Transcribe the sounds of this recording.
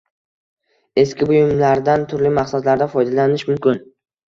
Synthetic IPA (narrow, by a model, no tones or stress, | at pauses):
e̞skʲɪbʊjɪmlaɾd̪ant̪ʰʊɾlɪmaqsad̪laɾd̪afɒjd̪alanɪʃmʊmkʲɪn